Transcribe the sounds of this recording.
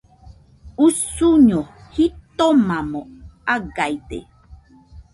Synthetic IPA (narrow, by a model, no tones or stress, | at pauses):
usuɲohit̪omãmõaɡajt̪ḛ